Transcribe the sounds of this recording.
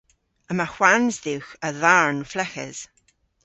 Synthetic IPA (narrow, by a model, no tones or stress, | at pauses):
əmaxwanzðiwxəðaɹnflɛxɛ̰z̥